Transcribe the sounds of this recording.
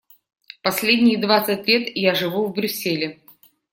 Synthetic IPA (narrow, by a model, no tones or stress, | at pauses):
pɐsʲlʲedʲnʲɪjd̪vat̪sɨtʲlʲe̞t̪jaʐɨvuvbɾʲʉsʲːelʲɪ